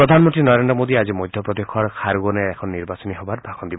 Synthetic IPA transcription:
ɾɔd̪ʱanmɔnt̪ɾinɔɾend̪ɾɔmod̪iad͡ʒimɔjd̪ʱjɔpɾɔd̪ekʰɔɾkʰaɾuɡɔneɛkʰɔnːiɾbasɔniɦɔbaɾbʱakʰɔnd̪ibɔ

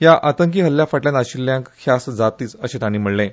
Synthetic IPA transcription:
jaʔat̪əŋk̬iːɦəlːjafaʈljãnaɕilːjãŋkkʰjasd͡zat̪iːt͡səɕẽt̪aɽ̃iːm̤əɽlẽ

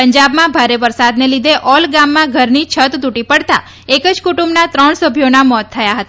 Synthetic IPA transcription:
pəɲd͡ʒabmãbʱaɾeʋəɾsad̪nelid̪ʱeʔɔlɡãmːãɡʱəɾnit͡ʃʰət̪d̪uʈipəɽt̪a̰ | ekəd͡ʒkuʈumbnat̪ɾəɳ̃səbʱjonamɔt̪ʰːəjaɦət̪a

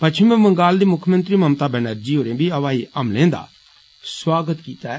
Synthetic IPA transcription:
pɐt͡ʃʰimɛ̃mɐ̃ŋɡaːld̪iːmʊkʰmə̃nt̪ɾimɐmt̪aːbɛnəɾd͡ʒiːɦoːɾẽːbʱiɐʋaːiʔɐmlẽːnd̪a̰ː | swaːɡət̪kiːt̪a

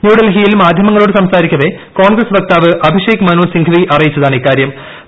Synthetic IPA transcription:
njuːɽɐlɦijilmaːd̪ʱjɐmɐŋːɐɭoːɽɨsɐmsaːɾikʲːɐʋe | ko̞ːɳɡrɐsʋɐk̚t̪aːʋɨʔɐbʱiʂeːkmɐnuːlsiŋɡʰʱɐʋiʔɐrɐjit͡ɕːɐðaːɳiːkːaːɾjɐm

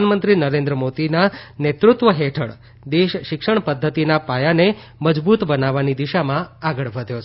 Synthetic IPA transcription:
anmənt̪ɾinəɾẽnd̪ɾəmot̪inanet̪ɾʊt̪ʋəɦeʈʰə̰ɭ | d̪eʃʃɪkʂəɳpəd̪ʱːət̪inapajane | məd͡ʒbut̪bənaʋanid̪iʃamãaɡəɭʋəd̪ʱjot͡ʃʰ

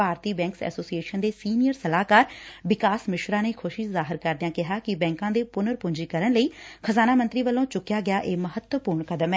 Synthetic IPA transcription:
aːɾt̪iːbɛ̃ːŋksɛ̰ːsoːsieːʃənd̪eːsiːnijəɾsəlaːkaːɾʋɪkaːsmɪʃɾaːneːkʰʊʃizaːɦɪɾkəɾd̪ɪjãːkɪɦaːkɪbɛ̃ːŋkãːd̪eːpʊnəɾpʊɲd͡ʒiːkəɾənləiːkʰəzaːnaːmə̃nt̪ɾiːʋəlːõːt͡ʃʊkːjaːɡɪjaːʔeːməɦət̪wəpʊːɾɳkəd̪əmɛː

